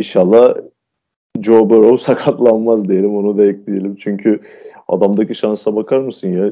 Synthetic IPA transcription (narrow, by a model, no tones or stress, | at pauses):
iʃalˠːah | d͡ʒobɯɾowsakʰat̪lˠanmazd̪ijelʲimo̞nud̪aɛc̚lʲijelʲimt͡ʃʰyɲcʰy | a̰d̪amd̪aciʃansabakʰaɾmɯsɯnja